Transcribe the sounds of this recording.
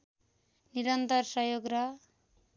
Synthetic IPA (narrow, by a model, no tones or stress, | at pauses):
niɾʌnt̪ʌrsʌjoɡrʌ